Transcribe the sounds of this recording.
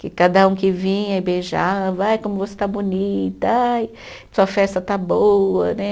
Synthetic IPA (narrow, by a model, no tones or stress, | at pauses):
kɪkad̪ɐũkɪvĩɲɐɪbeʒaɐvajkõmʊvose̥t̪abunit̪ɐaj | suɐfɛst̪ɐt̪abowɐnɛ